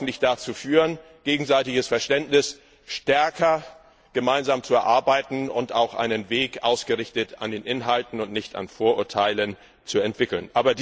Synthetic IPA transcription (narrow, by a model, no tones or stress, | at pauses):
n̩tlɪçd̥at͡suːfyːʁən | ɡ̥eːɡŋ̩zaɪtɪɡəsfɛɐʃtɛntnɪs | ʃtɛɐkʰɐ | ɡ̥əmaɪnzaːmt͡suɛɐʔaɐbaɪtn̩ʊnta̰ʊxʔa̰ɪnənveːkʔa̰ʊsɡ̥əʁɪçtətʰandeːnʔɪnɦaltn̩ʊntnɪçta̰nfoːɐʔʊɐtʰaɪlən | t͡suɛntv̥ɪkl̩nʔaːbɐd